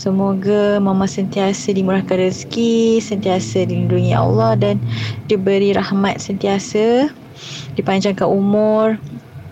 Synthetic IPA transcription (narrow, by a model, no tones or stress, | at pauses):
səmoɡamãmãsənt̪iasədimuɾahkanɾiskisənt̪iasədilinduŋia̰lːɑhdandibəɾiɾahmat̪̚sənt̪iasə | dipaɲd͡ʒaŋkaʔumʊr